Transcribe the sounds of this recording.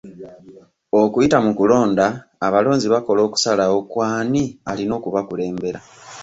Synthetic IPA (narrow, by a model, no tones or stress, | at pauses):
o̞kuitamukulo̞ːndaːβalo̞ːnziβako̞lo̞ːku̥salao̞kwaːnialino̞ːkuβakule̞ːmbe̞ɾa